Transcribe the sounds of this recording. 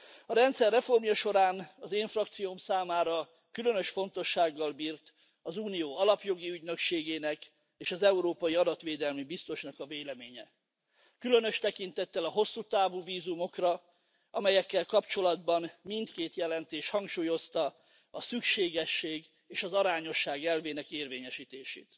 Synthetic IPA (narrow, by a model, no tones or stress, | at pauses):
ɒɾɛnt̪sɛrːɛfo̞rmjɒʃo̞ɾaːnɒzeːɱfrɒkt̪sijomsaːmaːɾɒ | kylø̞nø̞ʃfo̞nt̪o̞ʃːaːɡːɒlbiːrt̪ | ɒzuːnijoːɒlɒpjo̞ɡiyɟnøkʃeːɡeːnɛk | eːʃɒzɛuɾoːpɒjiɒd̪ɒt̪ʋeːd̪ɛlmibist̪o̞ʃnɒkɒveːlɛmeːɲɛ | kylø̞nø̞ʃt̪ɛkint̪ɛt̪ːɛlɒɦo̞sːuːt̪aːvuːviːzumo̞krɒ | ɒmɛjɛkːɛlkɒpt͡ʃo̞lɒd̪bɒnmint̪keːt̪jɛlɛnt̪eːʃhɒŋkʃuːjo̞st̪ɒ | ɒsykʃeːɡɛʃːeːɡ | eːʃɒzɒɾaːɲo̞ʃːaːɡɛlveːnɛkeːrveːɲɛʃiːt̪eːʃḛːt̪